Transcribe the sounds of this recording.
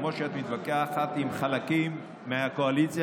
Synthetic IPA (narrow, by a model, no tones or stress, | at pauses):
moʃeat̪mit̪bakeaaχat̪imχalakimː | eakoalit͡sja